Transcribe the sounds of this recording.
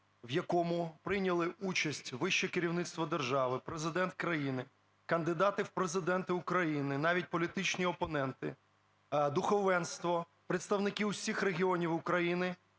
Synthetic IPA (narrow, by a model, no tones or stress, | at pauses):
wjɐkɔmʊpɾɪnʲɐlˠɪut͡ʃɐsʲtʲʋɪʃt͡ʃɛkɪɾʲiwnɪt̪st̪ʋɔd̪erʒɑʋɪpɾezɪd̪ɛnt̪̚kɾɐjinɪ | kɐnd̪ɪd̪ɑt̪ɪwpɾezɪd̪ɛnt̪ɪʊkɾɐjinɪnɑʋʲit̚ʲpɔlʲit̪ɪt͡ʃnʲiɔpɔnɛnt̪ɪ̰ | d̪ʊxɔʋɛnst̪ʋɔ | pɾet̪st̪ɐwnɪkɪusʲixreɦʲiɔnʲiwʊkɾɐjinɪ